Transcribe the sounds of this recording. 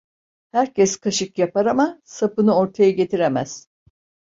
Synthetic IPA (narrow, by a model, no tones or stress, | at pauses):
hæɾcʰɛskʰaʃɯkjapaɾamasapɯnɯo̞ɾt̪ʰajaɟe̞t̪ʰiɾemæz̥